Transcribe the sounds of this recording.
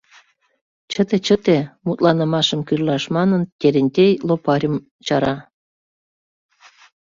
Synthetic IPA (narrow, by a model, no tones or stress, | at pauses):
t͡ɕət̪et͡ɕət̪emut̪lɑnə̆mɑʃə̆mkyrlɑʃmɑnənt̪ʲeɾʲĕnʲt̪ʲejlopɑɾʲəm | t͡ɕɑɾɑ